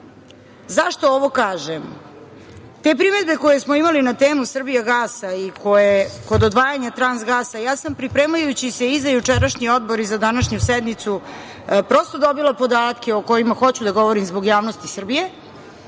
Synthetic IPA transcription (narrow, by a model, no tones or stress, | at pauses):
zaʃt̪o̞oʋo̞kaːʒem | t̪e̞ːpɾime̞d̪be̞ko̞je̞smoimalinat̪eːmusr̩bijaɡaːsaiko̞jeko̞d̪od̪ʋaːjaɲat̪ɾansɡaːsajaːsampɾipɾe̞ːmajut͡ɕise̞izajut͡ʂɛɾaʃɲio̞d̪boɾizad̪anaʃɲusɛd̪nit̪su | pɾo̞st̪od̪obilˠapo̞d̪aːt̪keo̞ko̞jimaxo̞t͡ɕud̪aɡo̞ʋoɾimzboɡjaːʋno̞st̪isr̩bije̞